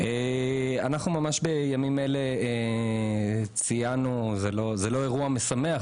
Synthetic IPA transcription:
eanaχnumamaʃbe̞jamimele̞e | t͡sijanuzelo̞zelo̞e̞ʁuame̞same̞a

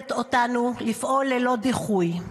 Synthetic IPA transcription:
t̪o̞tanulifʔo̞lːelo̞diχuj

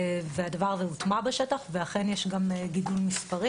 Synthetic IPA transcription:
vead̪avaʁzeut̪mabeʃetaχveaχenjeʃɡamɡid̪ulmispaʁi

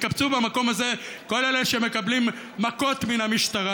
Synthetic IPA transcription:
kabt͡subamako̞maze̞ | ko̞leleʃeme̞kablimː | ako̞tminamiʃtaʁa

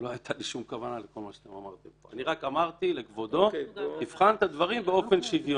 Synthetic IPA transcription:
lo̞ajt̪ʰaliʃumkavanaleko̞lmaʃeḁt̪emamaʁt̪emppoa̰niʁakamaʁt̪ile̞kvo̞d̪o̞nifχant̪ad̪vaʁimbe̞o̞fe̞nʃivjo

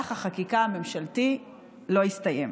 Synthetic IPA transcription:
aχaχakikaame̞mʃalti | lo̞ist̪ajḛm

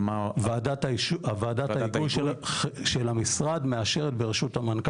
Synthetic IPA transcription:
vaadataʃuaveadataiɡujʃlʃelamisʁad̪me̞aʃe̞ʁet̪beʁeʃuthamank

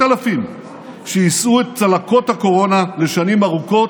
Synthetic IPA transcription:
alafim | ʃejisʔuet̪̚t͡salakothako̞ʁo̞nale̞ʃanimaʁuko̞t

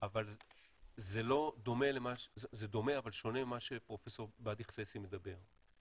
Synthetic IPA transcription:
aval | zelo̞d̪o̞me̞lemaʃzed̪o̞me̞avalʃo̞ne̞maʃepʁo̞feso̞ʁbad̪iχsesimed̪abe̞ʁ

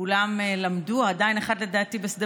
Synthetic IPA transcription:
ulamelamduadajineχad̪le̞daːtibesd̪e

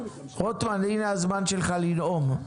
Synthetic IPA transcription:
ʁot̪manenazmanʃelχalinom

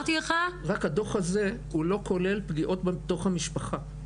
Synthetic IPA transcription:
t̪ileχaʁakhad̪o̞χaze̞hulo̞kʰo̞le̞lpɡiʔo̞tbeet̪o̞χhamiʃpaχa

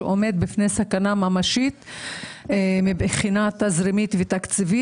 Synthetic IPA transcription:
ʔo̞me̞d̪̚bifnesakanamamaʃit̪ | mibχinat̪azɾimit̪vet̪akt͡sivi

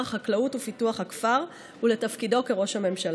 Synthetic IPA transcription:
χaklautufituaχhakfaʁ | ule̞tɐfkido̞ke̞ʁo̞ʃhame̞mʃal

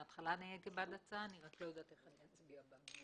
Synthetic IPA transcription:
at̪χalanajekebadat͡saːniʁaklo̞jod̪aːt̪eχania

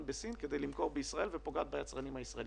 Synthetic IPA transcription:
nbesinked̪ejlimko̞ʁbeisʁae̞lvepoɡad̪̚bajat͡sʁanimhaisʁael

